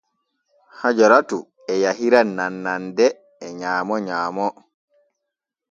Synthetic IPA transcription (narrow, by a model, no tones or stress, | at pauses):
had͡ʒɔɾatu | ɛjaɦiɾananːandɛː | ɲaːmɔɲaːmɔ